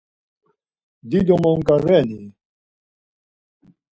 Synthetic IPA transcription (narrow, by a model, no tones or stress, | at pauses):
d̪id̪ɔmɔŋ̩kaɾɛni